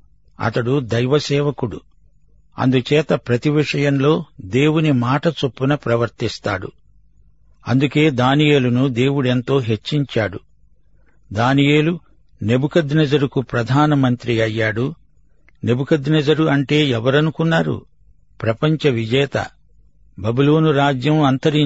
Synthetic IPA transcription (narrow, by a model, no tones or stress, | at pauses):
ɐ̰t̪ɐɽud̪ɐjʋɐsɛːʋɐkuɽu | ɐ̰nd̪ut͡ʃɛːt̪ɐpɾɐt̪iʋiʂɐjɐmlo̞ːd̪e̞ːwunimaːʈɐt͡ʃopːunɐpɾɐʋɐɾt̪ist̪a̰ːɽṵ | ɐ̰nd̪uke̞ːd̪aːnije̞ːlunud̪e̞ːwuɽe̞nt̪o̞ːɦe̞t͡ʃːiɲt͡ʃaːɽu | d̪aːnije̞ːlu | ne̞bukɐd̪nɐd͡ʒɐɾukupɾɐd̪ʱaːnɐmɐnt̪ɾiɐjːaːɽu | ne̞bukɐd̪nɐd͡ʒɐɾuɐɳʈe̞ːɛʋɐɾɐnukunːaːɾṵ | pɾɐpɐɲt͡ʃɐʋid͡ʒɛːt̪ɐ̰ | bɐbilo̞ːnuɾaːd͡ʒjɐmɐnt̪ɐɾi